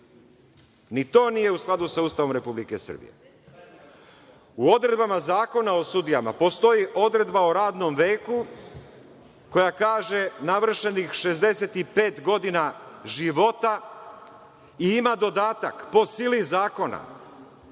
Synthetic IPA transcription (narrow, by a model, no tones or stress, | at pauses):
nit̪o̞ːnije̞usklˠad̪usauːst̪aʋo̞mɾe̞publike̞sr̩bḭjḛ | uo̞d̪ɾe̞d̪bamazaːko̞nao̞sud̪ijama̰po̞st̪o̞jiʔo̞d̪ɾe̞d̪baoɾaːd̪no̞mʋe̞ːku | ko̞jakaːʒe̞naʋr̩ʃe̞nixʃe̞zd̪e̞se̞t̪ipe̞ːt̪ɡo̞d̪inaʒiʋo̞t̪a | iimad̪o̞d̪aːt̪a̰kpo̞silizaːko̞na̰